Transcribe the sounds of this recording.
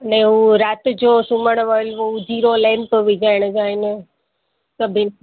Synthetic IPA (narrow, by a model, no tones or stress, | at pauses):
əneɦũɾaːt̪d͡ʒoːsuməɳ̃ʋəlʋod͡ʒiːɾolɛ̃ːmpʋɪd͡ʒaːɪɽ̃d͡ʒaːɪne | səbʱin